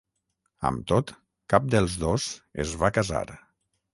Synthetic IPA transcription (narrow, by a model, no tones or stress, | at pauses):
ə̰mt̪ot̪ | kap̚d̪əlˠzðosḛzβakaza̰ɾ